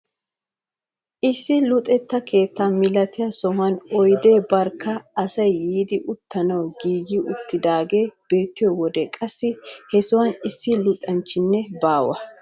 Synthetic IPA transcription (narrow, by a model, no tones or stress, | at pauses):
ʔɪsːɪlʊt̪ʼɛt̪ːɐke̞ːt̪ːaːmɪlɐt̪ɪjɐsɔɦɐnɔjd̪e̞ːbɐɾkːɐːsɐjːiːd̪ɪʔʊt̪ːɐnɐwɡiːɡɪʊt̪ːɪd̪aːɡe̞ːb̥e̞ːt̪ːɪjɔwɔd̪ɛkʼɐsːɪhɛsʊwɐnɪsːɪlʊt̪ʼɐnt͡ʃːɪnːɛbaːwɐ̰